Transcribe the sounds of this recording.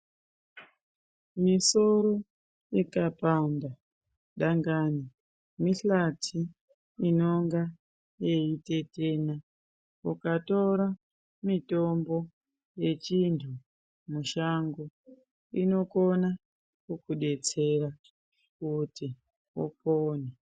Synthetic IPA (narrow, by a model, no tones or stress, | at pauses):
miso̞ɾo̞ | ikapamba | ɗaŋɡaːni | miɬatʰi | ino̞ŋɡa | jeite̞te̞na | ukato̞ɾa | mito̞mbo̞ | je̞t͡ʃintʰu | muʃaŋɡo | ino̞kona | kukuɗe̞t͡se̞ɾa | kuti | o̰poːne